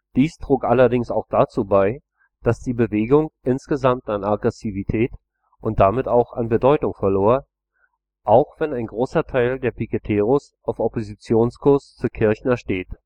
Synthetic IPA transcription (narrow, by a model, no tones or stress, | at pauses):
d̥iːstʁ̥oːkʔalɐdɪŋsaʊxd̥at͡suːbaɪ | d̥asd̥iːbəveːɡʊŋʔɪnsɡ̥əzamtanaɡʁɛsivitʰɛːt | ʔʊnt̚d̥amɪtaʊxa̰nbədɔʏtʊŋfɛɐloːɐ | ʔaʊxv̥ɛnaɪnɡʁoːsɐtʰaɪldeːɐpʰikətʰeːʁʊs | ʔaʊfɔpozit͡sjoːnskʰʊɐst͡suːkʰɪɐçn̩ɛʃteːt